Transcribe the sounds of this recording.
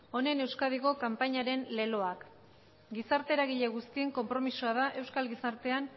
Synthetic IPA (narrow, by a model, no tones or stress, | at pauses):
o̞ne̞newskað̞iɣo̞kampaɲaɾe̞nle̞lo̞ak | ɡisaɾt̪e̞ɾaɣ̞iʎe̞ɣ̞ust̪ie̞ŋko̞mpɾo̞misuað̞aʔe̞wskalɣisaɾt̪e̞an